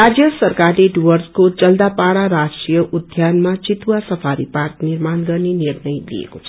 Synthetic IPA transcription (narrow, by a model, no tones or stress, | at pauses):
ɾad͡zjʌsʌrkarleɖuwʌrskod͡zʌld̪apaɽaɾasʈrijʌʔud̪ʱjanmat͡sit̪uwasʌpʰaɾḭparkniɾmanɡʌrnenirnʌjlḭḛkot͡sʰʌ